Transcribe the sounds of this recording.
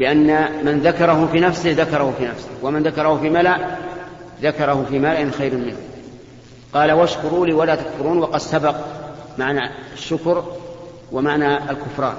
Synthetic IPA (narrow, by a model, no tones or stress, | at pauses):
bɪʔanːamanðakɑɾˤɑɦʊfiːnafsɪhðakɑɾˤɑhʊfiːnafsɪhwamanðakɑɾˤɑhʊfiːmalaʔ | ðakɑɾˤɑhʊfiːmalaʔɪnxajɾamɪnhʊm | qɑːlawaʃkʊɾˤuːliːwalaːt̪akfʊɾuːnwɑqɑd̪sabɑqmaʕnaaʃːʊkɾ | wamaʕnaalkʊfɾˤɑ̰ːn